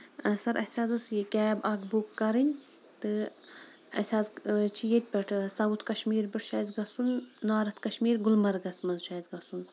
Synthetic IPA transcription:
ɐsɐɾʔɐ̰sʲaːzɐsjikʲɛːbɐɡbukːɐɾinʲ | t̪ɨ | ɐ̰sʲaːzt͡ʃʰijet̪̚ʲpʲɐʈʰsɐwut̪ʰkɐʃmiːɾbɨʈʃɐːzɡɐsunːaːɾɐt̪ʰkɐʃmiːɾɡʊlmɐɾɡɐsmɐzʃaːzɡɐsun

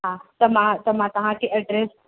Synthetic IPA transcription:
ɦãt̪ɐmãt̪ɐmãt̪ɐʋ̤ãkʰeʔɐɖɾeːs

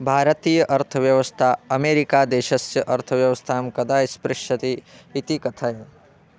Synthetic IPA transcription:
bʱaːɾɐt̪iːjɐʔɐɾt̪ʰɐʋjɐʋɐst̪ʰaɐmeːɾikaːd̪eːʃɐsjɐʔɐɾt̪ʰɐʋjɐʋɐst̪ʰaːmkɐd̪aːispɾɪʃɐt̪iːt̪ikɐt̪ʰaj

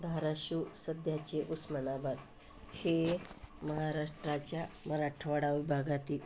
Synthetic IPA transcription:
d̪ʱaɾaɕusəd̪ʱjat͡ɕeʔusmənabat̪ | heməɦaɾaʂʈɾat͡ɕjaməɾaʂʈʰəʋaɽaʋibʱaɡat̪iːl

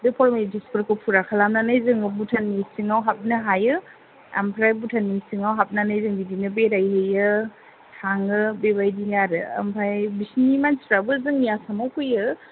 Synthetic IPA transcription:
dɯpʰɔɾmedispɯɾkɯpʰuɾakʰalamnanajzɯŋɯbutʰanːisiŋawɦap̚nɯɦajɯ | a̰mpʰɾajbutʰanːisiŋawɦap̚nanajzɯŋbidinɯbeɾajɦejɯ | tʰaŋɯbebajdinaɾɯa̰mpʰɾajbisnimansɾabɯzɯŋjasamawkʰɯjɯ

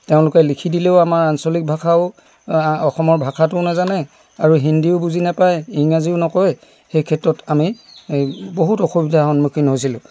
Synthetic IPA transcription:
teʊ̃lʊkɛlikʰidileʊamaɹansɔlik̚bʱakʰaʊ | ɔxɔmɔɹbʱakʰatʊnazanɛ | aɹuɦindiʊbuzinapajiŋaziʊnɔkɔjɛ | xejkʰɛtɹɔtami | boɦutɔxubidʱaxɔnmukʰinɦojs̬ilʊ̰̃

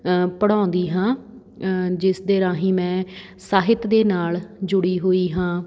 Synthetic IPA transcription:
pəɽ̃ãːnd̪iːɦãː | d͡ʒɪsd̪eːɾãːɦĩːmɛ̃ː | saːɦɪt̪d̪eːnaːld͡ʒʊɽiːɦoːiːɦãː

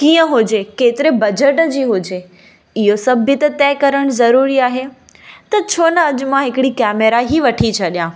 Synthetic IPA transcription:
kiːə̃ɦʊd͡ʑekeːt̪ɪɾebɐd͡ʑəʈd͡ʑiːɦʊd͡ʑe | ɪɦosɐbʱɪt̪ɐt̪ɛːkɐɾəɽ̃ʊzɐɾuːɾiaːɦe | t̪ɐt͡ɕʰoːnɐɐd͡ʑʊ̆mãɦɪkɪɽikɛːmeɾaɦiʋɐʈʰit͡ɕʰɐɗijãː

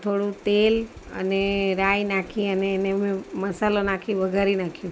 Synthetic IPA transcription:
t̪ʰoɽũt̪elə̰neɾajnakʰiəneːnemẽməsalonakʰiʋəɡʱaɾinakʰjũ

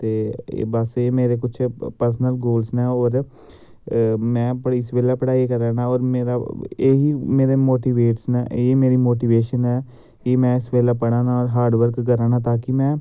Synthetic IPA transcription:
t̪ḛːbəseːmeːɾeːkʊt͡ʃʰpəɾsənəlɡoːlsnɛ̃ːɔːɾ | mɛ̃ːpəɪsʋeːlaːpəɽaːikəɾaːnaːɔːɾmeːɾaeːɦiːmeːɾeːmoːʈiːʋeːʈsnːeːmeːɾiːmoːʈiːʋeːʃənɛː | kemɛ̃ːɪsʋeːlaːpəɽãːnaːɔːɾɦaːɾɖʋəɾkɡəɾaːnãːt̪aːkɪmɛ̃ː

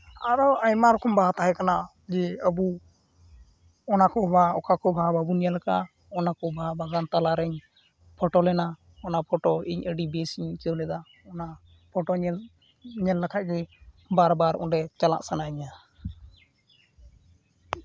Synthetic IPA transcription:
aɾɔaɲmaɾɔkɔmbaɦat̪aɦɛkana | d͡ʒɛəbu | ɔnakɔbaɔkʰakɔbʱababunijalka | ɔnakɔbʱabaɡant̪alaɾɛɲ | pʰɔʈɔlɛna | ɔnapʰɔʈɔiɲəɖibɛsiɲt͡ʃɔlɛd̪a | ɔna | pʰɔʈɔɲ | ɲɛlːakʰaʔ̚ˀɡɛ | baɾbaɾɔ̰nɖɛt͡ʃala̰ʔsanaiɲa

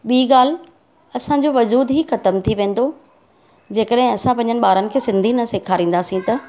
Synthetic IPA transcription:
ɓiːɠaːl̤ | ɐsãɲd͡ʑoʋɐzuːd̪ɦiːxɐt̪əmt̪ʰiʋẽːn̆d̪o | d͡ʑeːkəɗɦɪ̃ɐsãpɐ̃ɲd͡ʑənɪ̆ɓaːɾənɪ̆kʰeːsɪ̃nd̪ʱinɐseːkʰaːɾĩːn̆d̪aːsĩt̪ɐ

